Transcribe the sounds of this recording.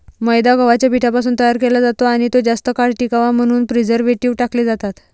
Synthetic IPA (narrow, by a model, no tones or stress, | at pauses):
məjd̪aɡəʋat͡ɕjabʱiʈʰapas̬uːnt̪əjaɾkelad͡zat̪oaɽ̃it̪od͡zast̪əkaɽʈikaʋam̤əɽ̃uːnpɾid͡zəɾʋeʈiːʋʈakled͡zat̪at̪